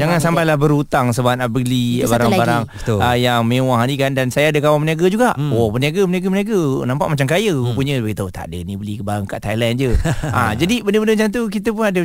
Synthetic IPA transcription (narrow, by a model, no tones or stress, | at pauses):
d͡ʒaŋansampajlabəɾut̪aŋsəbaanapəlibaɾaŋbaɾaŋbəəjaŋmẽwaɦanikandansajaːdəkawaməniaɡad͡ʒuɡaʔwoməniaɡaməniaɡamənaɡənampaʔmat͡ʃamkajəupuɲə̃baɡit̪aut̪a̰dənibəlikəbaɾaŋkaʔt̪ajlɛnd͡ʒəʔa̰d͡ʒadibəndəbəndəmat͡ʃant̪̬ukit̪əp̬unadə